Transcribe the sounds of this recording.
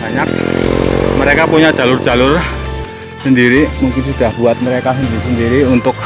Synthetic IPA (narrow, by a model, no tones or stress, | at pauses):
b̥aɲak̚ | məɾekapuɲadʒ̥a̤lʊrdd͡ʒ̥a̤lʊr | səndiɾimuŋkɪnsud̥a̤hb̥uat̪̚məɾekasəndiɾisəndiɾiunt̪ʊk̚